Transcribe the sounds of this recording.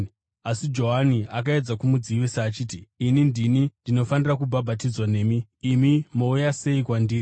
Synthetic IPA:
asid͡ʒo̞ɦaniakae̞d͡zakumud͡ziʋisaːt͡ʃiːtiːnindinindino̞fanirakubʱabʱatid͡zwane̞ːmiːmimo̞ujase̞ikwandiːri

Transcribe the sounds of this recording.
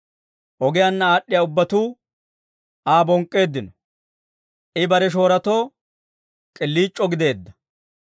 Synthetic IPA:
ʔɔɡɪjanːɐaːɗːɪjaʊbːɐt̪uː | aːbɔŋkʼːe̞ːd̪ːɪnɔ | ʔɪbɐɾɛʃ̬o̞ːɾɐt̪o̞ː | kʼɪlːiːt͡ʃʼːɔɡɪd̪e̞ːd̪ːɐ̥

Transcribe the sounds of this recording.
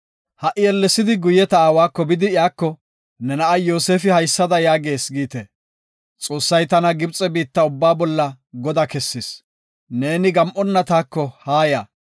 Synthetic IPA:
hɐʔɪjɛlːɛsːɪd̪ɪɡʊjɛt̪ɐaːwaːkːɔbɪd̪ɪɪjaːkːɔ | nɛnɐʔɐjo̞ːseːfɪhɐjsːɐd̪ɐjaːɡe̞ːsɡiːt̪e | t͡sʼo̞ːsːɐjt̪ɐnɐɡɪbt͡sʼɛbiːt̪ːɐʊbːaːbɔlːɐ | ɡɔd̪ɐkɛsːɪs | ne̞ːnɪɡɐmʔɔnːɐt̪aːkːɔhaːjaː

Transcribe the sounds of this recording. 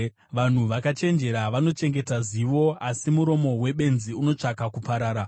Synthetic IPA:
ʋan̤uʋakat͡ʃe̞nd͡ʒe̞ɾaʋano̞t͡ʃe̞ŋɡe̞taziʋo̞asimuɾo̞mo̞we̞ɓe̞nziuno̞t͡ʂakakupaɾaːɾa

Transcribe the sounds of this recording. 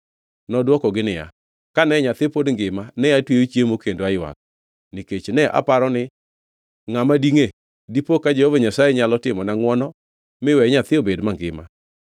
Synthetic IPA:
nɔdwɔkɔɡɪnɪja̰ | kanɛɲat̪ɪpodŋɡɪmanɛjatweot͡ʃjemokendoajwa̰k̚ | niket͡ʃnɛʔa̰paɾɔnɪ | ŋamadiŋe | dipokad͡ʒɛhovaɲasajɛɲalɔtɪmɔnaŋwɔnɔ | mɪwɛɲat̪ɪobedmaŋɡɪma̰

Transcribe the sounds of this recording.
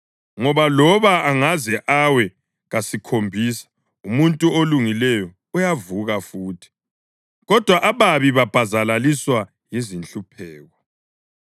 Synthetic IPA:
ŋɔβalɔβaaŋazɛʔawɛ | ɣasikʰombʱisḁ | umuntʼuoluŋilɛjɔ | ujavuɣafuːtʰi̥ | ɣɔd̥ʱwaʔaβaβiβab̥ʱazalaliswa | jizint͡ɬʼupʰɛːɣɔ

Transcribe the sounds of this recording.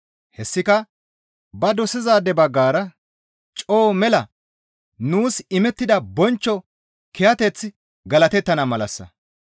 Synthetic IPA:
hɛsːɪkɐ | bɐd̪ɔsɪzaːd̪ɛbɐɡːaːɾɐ | t͡ʃʼo̞ːmɛlɐ | nuːsɪmɛt̪ːɪd̪ɐbɔnt͡ʃːɔ | kɛjɐt̪ɛt͡sː | ɡɐlɐt̪ɛt̪ːɐnɐmɐlɐsːɐ̰

